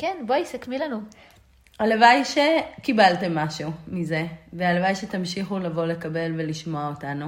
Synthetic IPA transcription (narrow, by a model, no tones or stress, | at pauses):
kenboaisakmilanu | alevajʃekibalte̞mːaʃuumize̞vealevajʃe̞tamʃiχulavo̞le̞kabe̞lve̞liʃmo̞aotanu